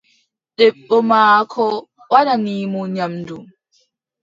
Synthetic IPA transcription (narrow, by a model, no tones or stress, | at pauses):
ɗɛɓːɔmaːkʰɔ | wananiːmɔɲamdu